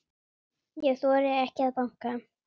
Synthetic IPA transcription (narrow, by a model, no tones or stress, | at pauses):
jɛθɔːɾɪɛhcaðpaŋ̥ka